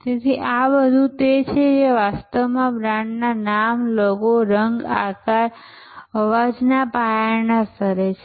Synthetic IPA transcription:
t̪et̪ʰiʔabəd̪ʱũt̪et͡ʃʰed͡ʒeʋast̪əʋmãbɾaɳɖnanamlokoɾəŋɡa̰kaɾ | əʋad͡ʒnapajanasəɾet͡ʃʰe

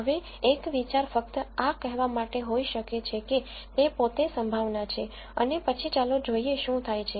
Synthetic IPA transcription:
ɦəʋe | ekʋit͡ʃaɾfək̚t̪akɛɦʋamaʈeɦoiʃəket͡ʃʰeke | t̪epot̪esəmbʱaʋnat͡ʃʰe | ə̰nepət͡ʃʰit͡ʃalod͡ʒoieʃũt̪ʰajt͡ʃʰe

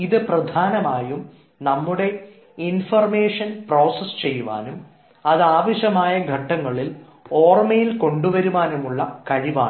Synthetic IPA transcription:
iðɨprɐd̪ʱaːnɐmaːjum | nɐmːuɽe̞ | infɐrmeːʂɐnpro̞ːsest͡ɕe̞jːuʋa̰ːnum | ɐðaːʋɐɕɐmaːjɐɡʱɐʈːɐŋːɐɭil | o̞ːrmɐjilko̞ɳɖuʋɐɾuʋaːnumuɭːɐkɐɻiʋa̰ːɳ

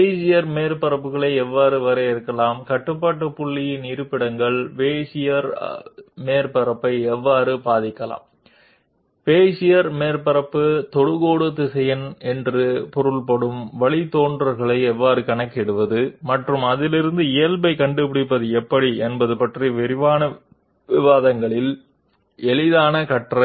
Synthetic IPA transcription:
peːsɪjɐɾmeːɾpɐɾɐpːɯɣɐɭɐɪɛʋːaːɾɯʋɐɾɐɪɾɯkːɐlaːmkɐʈːɯpːaːʈːɯpʊɭːɪjɪnɪɾɯpːɪɽɐŋɡɐɭʋeːsɪjɐɾ | meːɾpɐɾɐpːɐɪɛʋːaːɾɯpaːðɪkːɐla̰ːm | ʋeːsɪjɐɾmeːɾpɐɾɐpːɯt̪ɔɽɯɣoːɽɯt̪ːɯsɛjɐnɛndrɯpɔɾɯɭpɐɽɯmʋɐɭɪt̪ːoːɳdrɐɾɣɐɭɐɪɛʋːaːɾɯkɐnɐkːɛɽɯʋɐðɯmɐʈrɯmɐðɪlɪɾɯnd̪ɯɪjɐlbɐɪkɐɳɖɯpɪɽɪpːɐðɯɛpːɐɽiɛnbɐðɯpɐʈriʋɪɾɪʋaːnɐ | ʋɪʋaːðɐŋɡɐɭɪl | ɛɭɪðaːnɐkɐʈrɐ

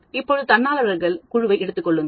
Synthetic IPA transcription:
ɪpːoːðɯt̪ɐnːaːlɐʋɐɾɣɐɭkʊɻʊʋɐɪɛɽɯt̪ːɯkːɔɭːɯn

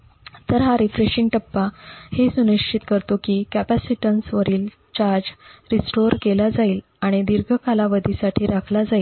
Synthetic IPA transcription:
t̪əɾɦaɾifɾeɕiŋɡ̚ʈəpːahesuniʂt͡ɕʰit̪kəɾt̪okiːkæpæsiʈənsʋəɾiːl | t͡ɕaɾd͡ʑɾisʈoɾkelad͡zaiːl | aɽ̃id̪iɾɡʱəkalaʋəd̪ʱisaʈʰiːɾakʰlad͡zaiːl

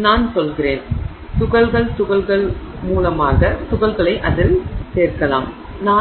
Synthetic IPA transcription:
naːnsɔlɣɪɾeːn | t̪ʊɣɐɭɣɐɭt̪ʊɣɐlɣɐɭmuːlɐmaːɣɐt̪ʊɣɐlɣɐɭɐɪʔɐðɪlseːrkɐla̰ːm | naː

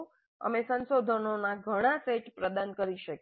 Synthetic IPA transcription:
ə̰mesənʃod̪ʱənonaɡʱəɽ̃aseʈpɾəd̪ankəɾiʃək

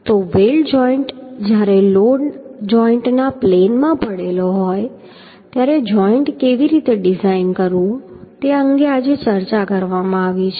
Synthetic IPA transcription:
t̪oʋeld͡ʒɔiɳʈd͡ʒjaɾeloɖd͡ʒɔiɳʈnaplenmãpəɽeloɦɔj | t̪jaɾed͡ʒɔiɳʈkeʋiɾit̪eɖizainkəɾũt̪eəŋɡead͡ʒet͡ʃəɾt͡ʃakəɾʋamãaʋit͡ʃʰe

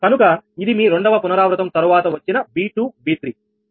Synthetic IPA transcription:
kɐnukɐid̪imiːɾe̞ɳɖɐʋɐpunɐɾaːʋɾɐt̪ɐmt̪ɐɾuʋaːt̪ɐʋɐt͡ʃːinɐbiːʈuːbiːt̪ɾi

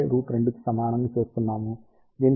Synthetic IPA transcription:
ɾuːʈɾɛɳɖɯkːɯ̥sɐmaːɳɐnːɯpeːst̪ːɯnːaːmu | d̪in

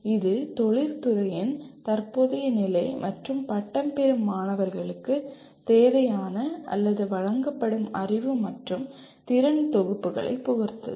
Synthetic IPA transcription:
ɪðɯt̪ɔɻɪɾt̪ʊɾɐjɪnt̪ɐɾpoːðɐjɐnɪlɐɪmʔɐʈrɯmpɐʈːɐmpɛɾɯmːaːnɐʋɐɾɣɐɭɯkːɯ | t̪eːʋɐjaːnɐʔɐ̰lːɐðɯʋɐɻɐŋɡɐpːɐɽɯmɐrɪʋɯmɐʈrɯm | t̪ɪɾɐnt̪ɔɣɯpːɯɣɐ̰ɭɐ̰ɪpːʊɣɐɾt̪ɐ̰

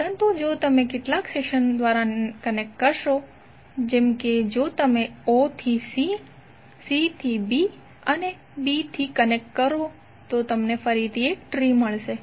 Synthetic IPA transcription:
pəɾənt̪ud͡ʒot̪əmekeʈlakseʃənd̪ʋaɾakənek̚ʈkəɾʃo | d͡ʒemked͡ʒot̪əmeot̪ʰisi | sit̪ʰibi | əne | bit̪ʰikənek̚ʈkəɾo | t̪ot̪əmnefəɾit̪ʰiek̚ʈɾiməɭʃe

